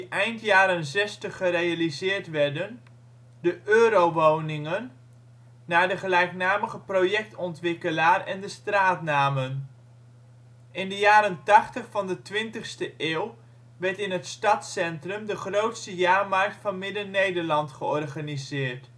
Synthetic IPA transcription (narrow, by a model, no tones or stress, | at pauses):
diʔɛjntjaːɾənzɛstəχːərejalizɪːɹtʋɛɹdən | dəʔøːɾowʋownɪŋənː | aːɹdəχəlɛjknaːməχəprowjɛk̚tɔntʋɪkəlaːrɛndəstraːtnaːmən | ɪndəjaːɾəntɑχtəχfɑndətʋɪntəχstəʔɪːwˠ | ʋɛɹtɪnɦətstɑtsɛntrəmdəχrowtstəjaːɹmɑrk̚tfɑnmɪdənejdəɹlɑntχəɔrχanizɪːɹt